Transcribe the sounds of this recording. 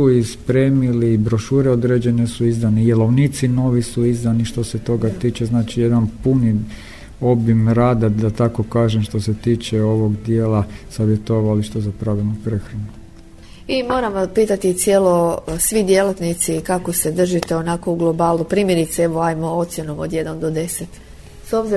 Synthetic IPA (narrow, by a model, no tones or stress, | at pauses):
uispɾeːmiliːbɾo̞ʃuːɾeo̞d̪ɾed͡ʒe̞nesuizd̪anid̪jelˠoʋniːt̪sino̞ʋisuizd̪aniʃt̪o̞set̪o̞ɡat̪iːt͡ʃeznaːt͡ʃijed̪anpuni | o̞bimɾaːd̪ad̪at̪ako̞kaːʒemʃt̪o̞set̪iːt͡ʃeo̞ʋo̞ɡd̪jeːlˠasaʋjet̪oʋaliʃt̪ozapɾaʋilˠnupɾexɾanu | imo̞ːɾamʋaspiːt̪at̪it̪sjelˠo̞sʋid̪je̞lat̪nit̪sikako̞se̞d̪r̩ʒit̪e̞o̞nako̞uɡlˠo̞baːlˠupɾiːmje̞ɾit̪seeʋoajmoo̞t̪sje̞nomod̪je̞d̪and̪o̞d̪e̞set̪ | so̞bzi